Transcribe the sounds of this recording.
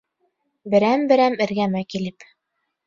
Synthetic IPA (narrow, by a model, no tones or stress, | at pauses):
bɘ̆ɾæmbɘ̆ɾæmɘ̆ɾɡæmækilɘp